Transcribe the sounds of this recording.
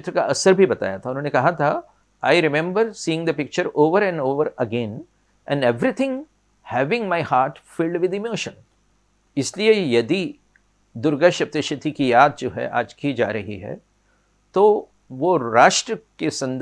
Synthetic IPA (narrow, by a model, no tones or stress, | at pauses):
t̪ɾəkaʔɐsəɾbʱibɐt̪a̰ːjat̪ʰaʊnɦõːnekɐɦat̪ʰa | a̰ːɪɾɪmɛ̃mbəɾsiːɪ̃ŋd̪əpɪk̚t͡ʃəɾoːʋəɾɛ̃ɳɖoːʋəɾɐɡɛ̃n | ʔɛ̰̃nɖeʋɾit̪ʰɪ̃ŋ | hɛʋɪ̃ŋmaɪhaːɾʈfɪlɖʋɪd̪emoːʃə̃n | ɪsliejɐd̪i | d̪ʊɾɡəʃɐp̚t̪ɪʃət̪ʰikijaːd̪̚d͡ʒoːɦɛ̰ʔa̰ːd͡ʒkid͡ʒa̰ːɾɐɦiɦɛ̰ | t̪o | ʋoɾaːʃʈɾəkesɐ̃nd̪